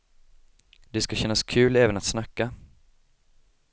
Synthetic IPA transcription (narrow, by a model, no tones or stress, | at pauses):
d̪ɛskaɕɛnːaskʰʉ̟ːlɛːvənat̪snakːa